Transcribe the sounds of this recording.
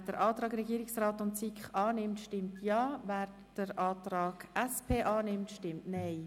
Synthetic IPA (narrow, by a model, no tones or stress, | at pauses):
d̥əɾʔɑːt̪ɾɑːɡɾɛɡiːɾɪksraːtʊntt͡sikχɑːnɪmtʃtɪmtʰjɑːʋæːɾ | d̥əɾɑːt̪ɾɑːɡ̥ɛspʰeːʔɑːnɪmtʃtɪmtnɛɪ